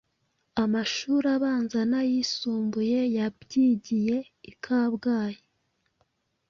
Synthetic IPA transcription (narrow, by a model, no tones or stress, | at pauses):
amaʃuːɾaβaːnzanajisuːmbuje̞jabɟiːɟije̞ | ikʰaːβɡaːje